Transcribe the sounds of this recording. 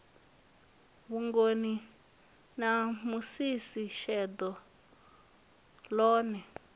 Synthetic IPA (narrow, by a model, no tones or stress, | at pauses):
βuŋɡoni | namusisiʃɛd̪ɔ | lɔːnɛ